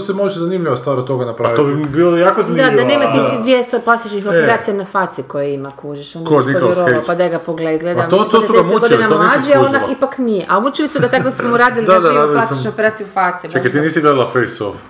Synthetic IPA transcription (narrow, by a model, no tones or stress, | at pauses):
semot͡ʃezanimʎʲiʋast̪ʋaːɾt̪oɡanapɾaːʋioːbibilojaːkozanid̪ad̪anemat̪ised̪ʋjest̪oplˠasiʃixopeɾaːt̪sijanafat̪siukojeimakuʒiʃonk̪onikoɾsokepad̪ajɡapoɡleizɡled̪amot̪oesuɡaemeuɡod̪linamlˠiad͡ʒeonakkipaknijeʔaobut͡ʃilisud̪at̪akost̪omuɾaːd̪ilid̪ad̪aɾaːdillasʃopeɾaːt̪ijufat̪siet͡ʃaket̪iniːsiɡled̪alˠafejso̰f